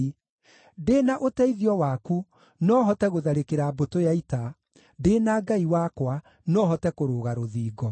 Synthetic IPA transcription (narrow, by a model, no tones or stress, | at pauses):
deːnaʔotɛiðiɔwaku | nɔɦɔtɛɣoðaɾekeɾabotojaita | deːnaɡaiwakwa | nɔɦɔtɛkoɾoːɣaɾoðiːɡɔ